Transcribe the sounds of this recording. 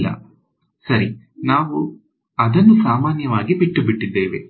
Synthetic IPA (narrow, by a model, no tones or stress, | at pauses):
lːɐ̰ | sɐɾi | naːʋu | ɐd̪ɐnːusaːmaːnjɐʋaːɡibiʈːubiʈːid̪ːeːʋe̞̰